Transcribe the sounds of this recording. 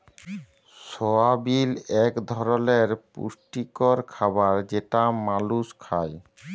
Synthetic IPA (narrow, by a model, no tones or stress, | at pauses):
sɔabilɛkd̪ʱɔɾoleɾpṵʃʈikoɾkʰaβaɾd͡ʑeʈamaluskʰaj